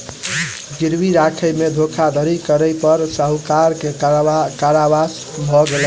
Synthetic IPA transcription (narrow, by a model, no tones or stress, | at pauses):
ɡiɾbiɾakʰəjmed̪ʱokʰad̪ʱəɾikəɾəjpəɾsəɦukaɾkekaɾabas | bʱɔɡel